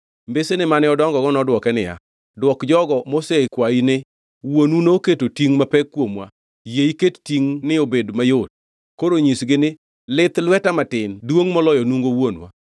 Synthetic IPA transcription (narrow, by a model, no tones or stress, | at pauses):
mbesenɪmanɪɔdɔŋɡɔɡɔnɔdwɔkɛnɪja̰ | dwɔkd͡ʒɔɡɔmosekwainɪ | wonunooketotiŋmapɛkːwomwa̰ | jeikettiŋnɪobedmajot̚ | koɾoɲisɡɪnɪ | lɪt̪lwɛtamatɪndwoŋmɔlɔjɔnuŋɡowonwa̰